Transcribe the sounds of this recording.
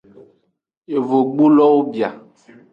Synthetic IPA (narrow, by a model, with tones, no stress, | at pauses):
e˨vo˨ɡ͡bo˦lɔ˦wo˦bi˨a˨